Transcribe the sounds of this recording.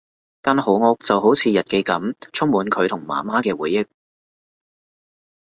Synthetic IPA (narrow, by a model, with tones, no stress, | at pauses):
kaː˧nho˨˧wŋɔ˧k̚t͡sɐ˨wɦo˨˥wt͡sʰiː˨˧jɐ˨t̚ke˨˧kɐ˨˥mt͡sʰʊ˥k̚muː˨˧nkʰɵ˨˧ɥt̪ʰʊ˨˩ŋma̰ː˨˩maː˥kɛː˧wuː˨jːɪ˥k̚